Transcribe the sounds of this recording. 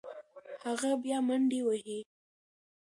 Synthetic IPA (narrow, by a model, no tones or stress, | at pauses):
haɣabjɑmaɳɖewəɦi